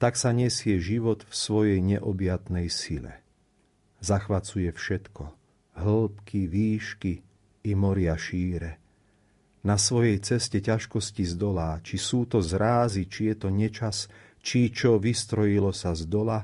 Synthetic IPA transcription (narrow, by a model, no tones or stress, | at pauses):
t̪aksaɲɛsɪɛʒiʋɔd̪fsʋɔjɛjɲɛʔɔbjat̪nɛjsilɛ̰ | zaxʋat͡sujɛfʃɛt̪kʰɔ | ɦl̩pkʰiʋiːʃkiː | mɔɾɪaʃiːɾɛ | nasʋɔjɛjt͡sɛscɛcaʃkɔscizd̪ɔlaːt͡ʃisuːt̪ɔzɾaːzit͡ʃijɛt̪ɔɲɛt͡ʃas | t͡ʃit͡ʃɔʋist̪ɾɔjilɔsazd̪ɔla